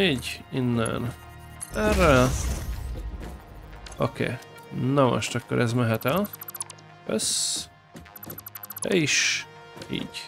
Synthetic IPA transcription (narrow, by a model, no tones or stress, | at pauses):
iːɟinːɛ̰n | ɛrɛl | o̰kḛː | nɒmo̰ʃt̪ɒkːoɾʔɛzmɛɦɛt̪ɛl | ø̰s | ɛiʃ | ḭːɟ